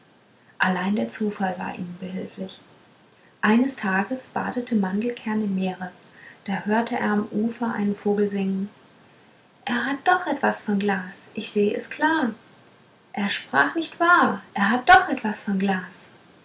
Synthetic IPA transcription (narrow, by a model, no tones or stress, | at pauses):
ʔalaɪndeːɐt͡suːfalva̰ːɐʔḭːmbəɦɪlflɪç | ʔaɪnəstʰaːɡəsb̥a̰ːdətʰəmandl̩kʰɛɐnɪmːeːʁə | d̥aːhøːɐtʰəʔḛːɐamʔuːfɐʔa̰ɪnənfoːɡl̩zɪŋən | ʔeːɐɦat̚d̥ɔχʔɛtv̥asfɔnɡlaːsʔɪçz̥eːəʔɛ̰skl̥aːɐ | ʔeːɐʃpʁ̥a̰ːχnɪçtv̥aːɐʔeːɐɦat̚d̥ɔχʔɛtv̥asfɔnɡlaːs